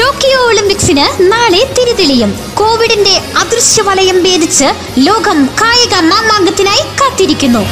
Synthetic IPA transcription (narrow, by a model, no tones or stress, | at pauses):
ʈo̞ːkijoːɭimpiksinɨnaːɭet̪iɾuðilɐjum | ko̞ːʋiɽinde̞ɐd̪rɨɕjɐʋɐlɐjɐmʋe̞ːd̪ʱit͡ɕːɨ | lo̞ːɡɐmkaːjɐɣɐmaːmaːŋɡɐt̪ːinaːjikaːt̪ːiɾikʲːunːu